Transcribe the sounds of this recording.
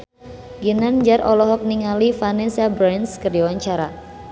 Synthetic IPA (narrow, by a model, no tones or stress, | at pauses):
ɡənand͡ʒarʔɔlɔɦɔk̚niŋalifanɛsabɾanskərdiwaɲt͡ʃaɾa